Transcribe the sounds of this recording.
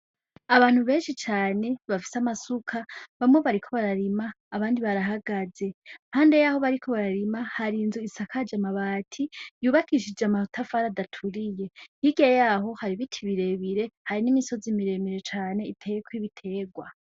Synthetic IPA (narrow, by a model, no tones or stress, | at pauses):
aβaːn̥huβe̞ːnʃit͡ʃaːne̞βafi̥samasukʰaβamŋeβaɾikʰo̞βaɾaɾimaːβaːndiβaɾaɦaɡaze̞haːnde̞jaːho̞βaɾikʰo̞βaɾaɾimahaɾiːnzuisakʰad͡ʒamaβaːtʰijuːβakiʃ̬id͡ʒeamahutʰafaɾadatʰuɾije̞hiɡejaːɦo̞haɾiβitʰiβiɾe̞βiɾe̞haɾinimiso̞zimiɾe̞miɾe̞t͡ʃaːne̞itʰekwiβitʰe̞ːɡwa